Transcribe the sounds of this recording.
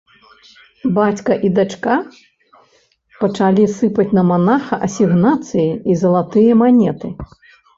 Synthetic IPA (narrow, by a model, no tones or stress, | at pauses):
bat͡sʲkɐʔid̪at͡ʂka | pɐt͡ʂalʲisɨpɐt͡sʲnɐmanaxɐʔɐsʲiɣnat̪sɨjiizɐlˠat̪ɨjɐmanʲɛt̪ɨ